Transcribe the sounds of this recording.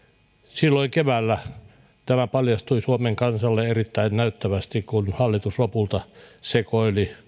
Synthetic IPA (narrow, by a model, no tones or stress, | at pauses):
silːoiŋkeʋæːlːæ | t̪æmæpɑljɑst̪uisuomeŋkɑnsɑlːeerit̪ːæinnæyt̪ːæʋæst̪ikkunhɑlːit̪uslopult̪ɑsekoili